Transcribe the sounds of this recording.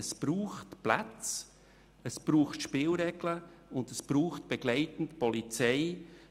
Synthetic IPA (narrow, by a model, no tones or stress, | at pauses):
sb̥ɾuːχtplat͡s | əsb̥ɾuːχtʃpɪlɾɛɡ̥lə | ʊndəsb̥ɾuːχt̚b̥ɛɡlɛɪtn̩tpɔlit͡sɛɪ